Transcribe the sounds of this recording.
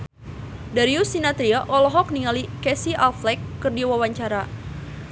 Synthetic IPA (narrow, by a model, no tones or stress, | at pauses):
daɾiusinat̪ɾiaʔɔlɔɦɔk̚niŋalikɛsiʔalflɛkːərdiwawaɲt͡ʃaɾa